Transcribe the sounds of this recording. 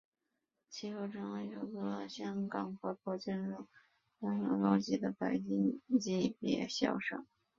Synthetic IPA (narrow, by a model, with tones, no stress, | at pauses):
t͡ɕʰi˥xo˥˩ʊʈ͡ʂʰɤ˧˥ŋwe˧˥ɪjo˧˩ʊkɤ˧˥ɕjɑ˥ŋkɑ˨˩ŋxɔ˧˥˩pʰɔ˥˩t͡ɕɛ˥nɻu˥˩ | tɑ˥ŋnɑ̰˧˥lɑ˥ʊt͡ɕi˥˩d̪ə˨pa˨˩ɪt͡ɕi˥ŋt͡ɕi˥˩pjɛ̰˨˧˩ɕjɑ̰˥˩ʊʂɤ̰˨˩˦ŋ